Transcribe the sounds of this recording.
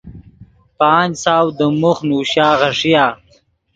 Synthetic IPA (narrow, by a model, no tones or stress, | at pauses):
paːnsaːwd̪əmuxnuːɕaːʁɐʂijaː